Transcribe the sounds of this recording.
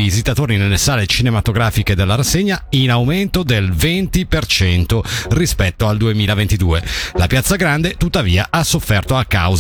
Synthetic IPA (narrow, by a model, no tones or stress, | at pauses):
izit̪at̪oːɾinelːesaːlet͡ʃinemat̪oɡɾaːfiked̪elːaɾasːeɲːainawment̪od̪elvent̪ipert͡ʃɛnt̪orispɛt̪ːoald̪uemiːlavent̪id̪uːelapjat̪sːaɡɾand̪et̪ut̪ːaviːaʔasːofːɛrt̪oakːa̰wz